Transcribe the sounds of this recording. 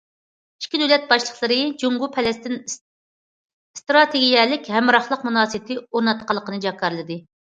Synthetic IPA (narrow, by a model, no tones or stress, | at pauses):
iʃkʲːid̪øwlɛt̪̚bɑʃlˠəχlˠɨɾɨd͡ʒuŋɡupʰɛlɛst̪ɪn | st̪ɾɑt̪ʰeɡʲijɛlɪkʲhɛmɾɑχlˠəqmunɑːsɨt̪ʰɪoɾnɑt̪qʰɑlˠːəqənɨd͡ʒɑkʰːɑɾɨlˠɨd̪ɨ